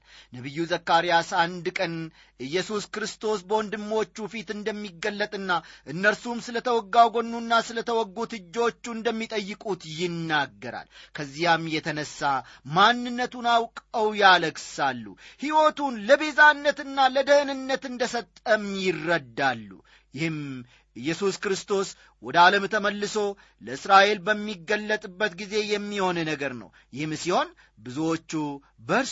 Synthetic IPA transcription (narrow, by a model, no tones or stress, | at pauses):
nəβɨjːuzəkːaɾijasand̪kʼən | ɨjːɛsuskɾɨst̪ʰo̞sbəwond̪ɨmːot͡ʃːufit̪ɨnd̪əmːiɡːəlːət̪ʼɨnːaʔɨnːəɾsumsɨlət̪ʰəwɔɡːawɡo̞nːunːasɨlət̪ʰəwɔɡːut̪ɨd͡ʒːo̞t͡ʃːund̪əmːit̪ʼəjːɪkʼut̪jɪnːaɡːəɾa̰lkʰəzːijamjɛt̪ʰənəsːa | manːɨnːət̪unawkʼəwjaləɡsalːṵhiwot̪unləbe̞zanːət̪ɨnːaləd̪əhnɨnːət̪ɨnd̪əsət̪ʼːəmjɪrːəd̪ːalːṵ | jɪhɨm | ɨjːɛsuskɾɨst̪ʰo̞s | wɔd̪əaləmt̪ʰəməlːɨso̞ | ləɨsɾaʔe̞lbəmːiɡːəlːət̪ʼɨbːət̪ɡize̞jɛmːiho̞nnəɡəɾnə̰w | jɪhɨmsiho̞n | bɨzuwot͡ʃːu | bəɾ